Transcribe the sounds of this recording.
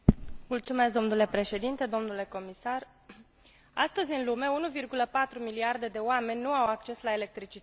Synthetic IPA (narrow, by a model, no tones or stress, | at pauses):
mult̪sume̞s̬k̚d̪o̞mnule̞pɾe̞ʃe̞d̪int̪e̞d̪o̞mnule̞ko̞misar | a̰st̪əzʲɨnlume̞unuvirɡuləpat̪ɾumiliard̪e̞d̪e̞oame̞nʲnuawakt͡ʃe̞slaele̞k̚t̪ɾit͡ʃit̪